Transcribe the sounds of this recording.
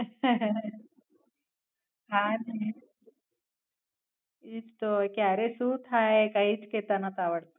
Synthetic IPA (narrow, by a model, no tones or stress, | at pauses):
ɦãni | iːt͡st̪okjaɾesut̪ʰaekaɦiːt͡sket̪anat̪aʋəɽt̪o̥